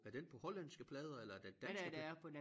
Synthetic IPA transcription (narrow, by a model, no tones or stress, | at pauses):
æɐd̥enpʰɒ̽hɒ̽lænsɡ̥əpʰlɛːð̞ˠɐelɐæɐd̥end̥ænsæəd̥ææɐpʰɒ̽d